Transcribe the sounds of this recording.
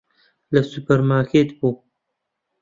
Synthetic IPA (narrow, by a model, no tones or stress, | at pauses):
lɐsupɐɾmaːɾkʰeːt̪buː